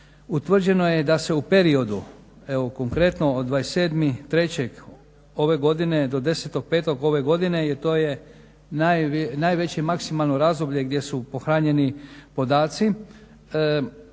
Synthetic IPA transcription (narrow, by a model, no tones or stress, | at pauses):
ut̪ʋr̩d͡ʑe̞no̞je̞d̪ase̞upe̞ɾio̞d̪u | eʋoko̞ŋkɾe̞t̪no̞ːd̪ːʋajese̞ːd̪mit̪ɾe̞t͡ɕeɡ | o̞ʋe̞ɡo̞d̪ine̞d̪o̞d̪e̞set̪o̞ɡ̚pe̞ːt̪o̞ɡo̞ʋe̞ɡo̞d̪ine̞jet̪o̞ːje | najnajʋe̞t͡ɕemaksimalˠno̞ɾazd̪o̞bʎe̞ɡd̪je̞supo̞xɾaːɲe̞nipo̞d̪aːt̪si